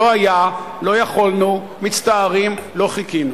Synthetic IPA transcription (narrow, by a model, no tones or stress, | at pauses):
oaja | lo̞jaχolnu | mit͡st̪aːʁimlo̞χikinu